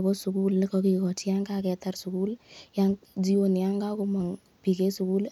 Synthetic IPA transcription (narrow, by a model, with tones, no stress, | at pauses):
bɔ˦sʊ˨ku˦ln˦kɔ˦ki˨kɔ˨ti˦ja˦ŋkakɛ˨ta˦rsu˨ku˦ljaŋd͡ʒi˦o˨n˨ja˦ŋɡa˦kʊ˨ma˨ŋ | pi˨ke˦su˨ku˦l